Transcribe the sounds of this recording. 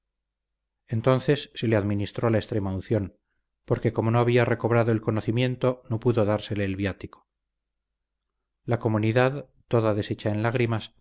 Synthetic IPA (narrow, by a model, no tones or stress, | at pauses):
e̞nt̪o̞nθe̞sːe̞le̞aðminist̪ɾo̞laest̪ɾe̞maunθjo̞n | poɾke̞ko̞mo̞noaβiare̞ko̞β̞ɾaðoelko̞no̞θimje̞nt̪o̞no̞puðoðaɾse̞le̞ːlβjat̪iko̥ | lako̞muniðað | t̪o̞ðaðe̞set͡ʃae̞nlaɣ̞ɾimas